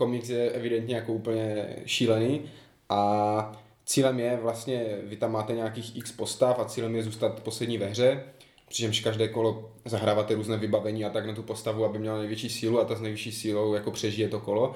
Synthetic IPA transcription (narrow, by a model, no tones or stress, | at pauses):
komɲɪt͡sjɛʔɛvɪdɛnt̪ɲɛjakouːpl̩ɲɛʃiːlɛniː | ʔa | t͡siːlɛmjɛvlast̪ɲɛvɪt̪amːaːt̪ɛɲaakiːxʔikspo̞st̪afat͡siːlɛmjɛzuːst̪at̪poslɛdɲiːvɛɦrɛ | pr̥ɪt͡ʃɛmʃkaʒdɛːkolozaɦɾaːvaːt̪ɛɾuːznɛːvɪbavɛɲiːat̪aɡnat̪upost̪avuabɪmɲɛlanɛjvjɛt͡ʃiːsiːluat̪oznɛjviʃiːsiːlowjakopr̝̥ɛʒijɛt̪okolo